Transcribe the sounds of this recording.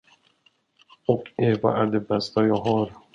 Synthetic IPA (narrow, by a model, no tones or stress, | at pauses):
ɔkɛvɑ̰ʔæɖɛbɛst̪ajɑːɦɑːɾ